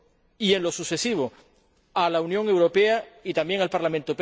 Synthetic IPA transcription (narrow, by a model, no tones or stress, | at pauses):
ienlo̞suθe̞siβ̞o | alaunjõ̞ŋe̞wɾopeait̪ambje̞ŋalpaɾlamẽnt̪op